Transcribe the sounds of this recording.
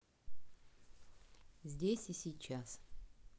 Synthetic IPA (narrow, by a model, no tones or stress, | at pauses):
zʲdʲesʲisʲijt͡ɕʰas